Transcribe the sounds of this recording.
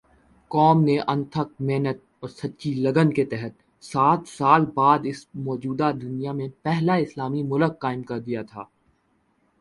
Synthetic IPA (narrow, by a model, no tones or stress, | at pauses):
kɔːmneʔɐ̃nt̪ʰək̚meːnət̪̚ɔːɾsɐtːt͡ʃilɐɡənket̪ɛɦət̪̚ | saːt̪saːlbaːd̪ɪsmɔːd͡ʒuːd̪ad̪ʊnijamẽpɛɦlaɪslaːmimʊləkːaːɪmkɐɾd̪ijat̪ʰa̰ː